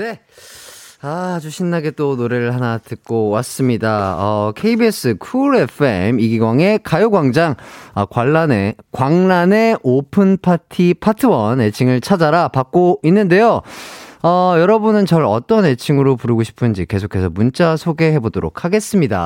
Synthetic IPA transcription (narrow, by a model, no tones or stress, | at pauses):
ne̞ | aːd͡ʑuɕʰinːaɡe̞t͈onoɾe̞ɾɯɭhanatɯk̚k͈owas͈ɯmɲidaʌkʰe̞ibies͈ɯkʰuɾe̞pʰɯe̞̰miɡiɡwaŋe̞kajoɡwaŋd͡ʑaŋʌkwaɭːanekwaŋnane̞ʔopʰɯnpʰatʰipʰatʰɯwʌne̞t͡ɕʰiŋɯɭt͡ɕʰad͡ʑaɾapak̚k͈oinːɯnde̞jo | ʌjʌɾʌbunɯnt͡ɕʌɾʌ̰t͈ʌne̞t͡ɕʰiŋɯɾopuɾɯɡoɕʰi̥pʰɯnd͡ʑike̞sʰokʰːe̞sʰʌmunt͡ɕ͈asʰoɡe̞ɦe̞bodoɾo̰kʰhaɡe̞s͈ɯmɲida̰